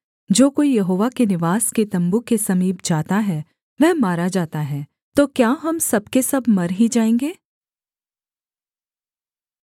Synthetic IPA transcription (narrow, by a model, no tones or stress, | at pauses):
d͡ʒoːkoːijɐɦoːʋakenɪʋaːsket̪ɐ̃mbukesɐmiːbd͡ʒaːt̪aɦɛ | ʋɛɦmaːɾad͡ʒaːt̪aɦɛː | t̪oːkjaːɦɐmsɐb̚kesɐbmɐɾɦid͡ʒaːẽːŋɡeː